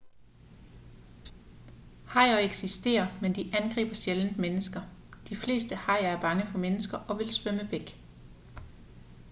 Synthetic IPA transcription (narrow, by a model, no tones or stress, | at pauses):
hɑ̈ɪ̰ɐeɡ̥sisd̥e̝̰ːɐmend̥iʔænɡ̥ʁḭːb̥ɐselənmenəsɡ̥ɐd̥ifle̝̰ːsd̥əhɑ̈ɪ̰ɐæɐb̥ɑ̈ŋəfɒ̽menəsɡ̥ɐʔɒ̽ʋe̝lsʋœməʋeɡ̥